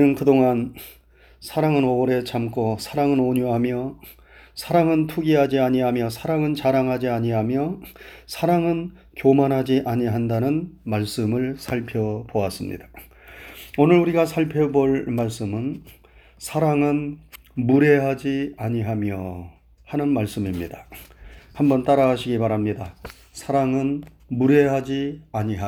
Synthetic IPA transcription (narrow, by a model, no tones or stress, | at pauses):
nɯnkɯdoŋan | sʰaɾaŋɯnoɾe̞t͡ɕʰamk͈ʰosʰaɾaŋɯnoɲuɦamjʌ | sʰaɾaŋɯntʰuɡiɦad͡ʑiaɲiɦamjʌsʰaɾaŋɯnt͡ɕaɾaŋɦad͡ʑiaɲiɦamjʌsʰaɾaŋɯn | kjomanɦad͡ʑiʔaɲiɦandanɯnmaɭs͈ɯmɯɭsʰaɭpʰjʌboas͈ɯmɲḭda | onɯɾuɾiɡasʰaɭpʰjʌboɭmaɭs͈ɯmɯn | sʰaɾaŋɯn | muɾe̞ɦad͡ʑiaɲiɦamjʌ | hanɯnmaɭs͈ɯmimɲidḁ | hambʌnt͈aɾaɕʰiɡipaɾamɲida | sʰaɾaŋɯn | muɾe̞ɦad͡ʑiaɲiɦa